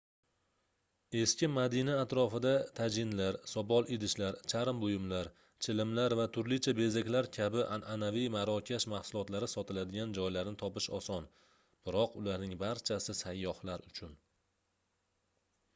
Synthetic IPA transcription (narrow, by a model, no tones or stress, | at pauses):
e̞skʲɪmad̪inaːt̪ɾɒfɪd̪at̪ʰad͡ʒɪnlaɾsɒbɒlˠed̪ɪʃlaɾt͡ʃʰaɾɪmbʊjɪmlaɾ | t͡ʃʰɪlɪmlaɾvat̪ʰʊɾlɪt͡ʃʰabe̞zakʲlaɾkʲʰabɪʔanʔanavijmaɾɒkʲʰaʃmahsʊlˠɒt̪laɾɪsɒt̪ʰɪlad̪ɪɡʲand͡ʒɒjlaɾnɪt̪ʰɒpɪʃɒsɒn | b̥ɪɾɒqʊlaɾnɪŋbaɾt͡ʃʰasɪsajːɒhlaɾʊt͡ʃʰʊn